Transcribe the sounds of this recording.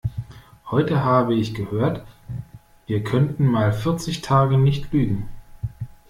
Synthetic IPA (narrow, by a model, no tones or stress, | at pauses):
hɔʏtəɦaːbəɪçɡ̥əhøːɐt | viːɐkʰœntn̩maːlfɪɐt͡sɪçtʰaːɡənɪçtʰlyːɡŋ̩